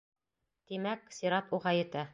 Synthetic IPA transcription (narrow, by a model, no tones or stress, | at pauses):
t̪imæksiɾɑt̪uʁɑjɵ̆t̪æ